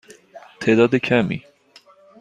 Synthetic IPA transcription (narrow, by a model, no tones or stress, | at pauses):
t̪ʰeːd̪ɒːd̪ekʰæmḭ